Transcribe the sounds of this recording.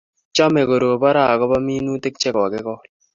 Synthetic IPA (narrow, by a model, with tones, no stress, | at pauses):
t͡ʃɔ˦me˨ɡo˨ɾo˨pa˦ɾa˦˨kɔ˦ba˦miː˦nu˦te˦k̚t͡ʃɛ˦ka˨kɪ˦kɔ˦